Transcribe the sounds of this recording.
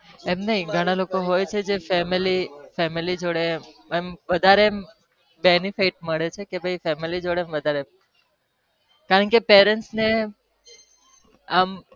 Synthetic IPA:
emnəɦĩɡʱəɽ̃alokoɦojt͡ʃʰed͡ʒefɛmilifɛmilid͡ʒoɽeemʋəd̪ʱaɾe | benifiʈ̚məɭet͡ʃʰekebʱəjfɛmilid͡ʒoɽeːmʋəd̪ʱaɾe | kaɾəɳkepeɾəɳʈsne | am

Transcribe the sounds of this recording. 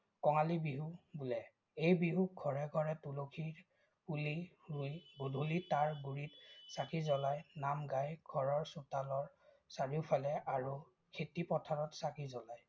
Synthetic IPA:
kɔŋalibiɦubulɛ | ejbiɦuɡʱɔɹɛɡʱɔɹɛtulokʰi | uli | ujɡudʱulitaɹɡuɹitsakʰizɔlajnamɡajɡ̥ʱɔɹɔɹsutalɔɹ | saɹiʊpʰalɛʔaɹu | kʰetipɔtʰaɹɔtsakʰizɔlaj

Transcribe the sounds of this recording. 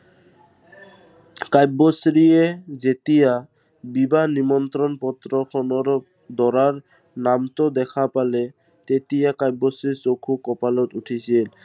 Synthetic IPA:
kajbɔsɹiezet̪ija | bibanimɔnt̪ɾɔnpɔt̪ɾɔkʰɔnɔɾ | d̪ɔɹaɹ | namtɔd̪ɛkʰapalɛ | t̪et̪ijakajbɔsɹisokʰukɔpalɔtuʈʰisil

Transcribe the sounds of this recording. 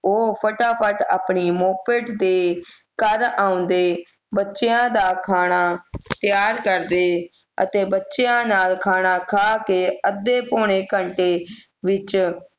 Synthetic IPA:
oːpʰəʈaːpʰəʈa̰ːpɳiːmoːpeːʈd̪eː | kəɾaːʊ̃nd̪eː | bətːʃejãːd̪aːkʰaːɽaːt̪ɪjaːɾkəɾd̪eː | ə̰t̪eːbətːʃejãːnaːlkʰaːɽ̃aːkʰaːkeːəd̪ːeːpoːɳ̃eːkəɳʈeː | ʋɪt͡ʃ

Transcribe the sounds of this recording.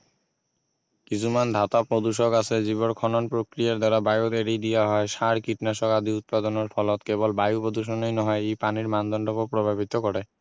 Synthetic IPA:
kit͡ɕʰumand̪ʱat̪apɾod̪uʃoɡasʰed͡ʑiβonkʰɔnonpɾokɾijaɾd̪aɾabajot̪eɾid̪ijaɦɔeʃaɾkiʈnaʃɔkad̪ʱiut̪̚pad̪onoɾfʰɔlot̪kebolbajupod̪uʃ̬onejnɔɦɔeejpaniɾmand̪ʱɔnɖobopɾobʱabit̪okɔɾe

